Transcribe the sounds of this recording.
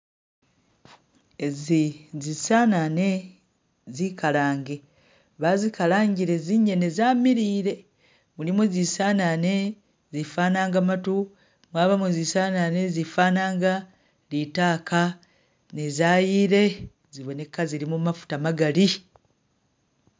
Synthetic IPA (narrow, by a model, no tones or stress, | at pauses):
ezizisaːnane̞ | zikalaːŋɡe̞ | βazikalaːɲɟiɾe̞ziɲene̞zaːmiɾiːɾe̞ | mulimezisanane̞ | zifaːnaːŋɡamatu | mwaːβamuezisaːnane̞zifaːnaːŋɡa | litaːkʰa | ne̞zaːjiːɾe̞ | ziβo̞ne̞kːaziɾimumafu̥tamaɡaɾi